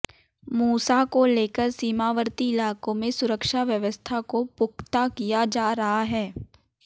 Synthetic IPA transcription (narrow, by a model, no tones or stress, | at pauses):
muːsakoleːkəɾsiːmaːʋəɾt̪iɪlaːkõmẽsʊɾəkʃaʋjəʋəst̪ʰakopʊkʰt̪akijad͡ʒaːɾɐɦaɦɛː